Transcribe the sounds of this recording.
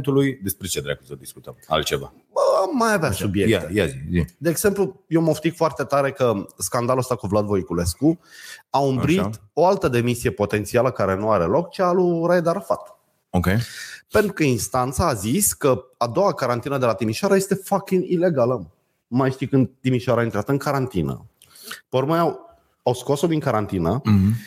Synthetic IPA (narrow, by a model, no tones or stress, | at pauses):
nt̪ulujd̪e̞spɾet͡ʃed̪ɾa̰kəsəd̪isku̥t̪əma̰lt̪t͡ʃeva̰ | əamːajaveasubjeat̪ejaizid̪e̞ːɡse̞mplujewməʃt̪ikfoart̪e̞t̪aɾe̞kəskand̪aluəst̪akuvlad̪vo̞jikule̞skuaumbɾit̪o̞alt̪əd̪e̞misie̞po̞t̪e̞nt̪sialəkaɾe̞nuaɾe̞lo̞kt͡ʃealuɾajed̪aɾəfat̪ | okʲepe̞nt̪ɾukəinst̪ant̪saːziskəad̪o̞wakaɾant̪inəd̪e̞lat̪imiʃoaɾaje̞st̪e̞fakʲinile̞ɡalə | majʃt̪ijkɨnd̪t̪imiʃoaɾaint̪ɾeat̪əɨŋkaɾant̪inə̰ | peormajaw | awsko̞sod̪iŋkaɾant̪inə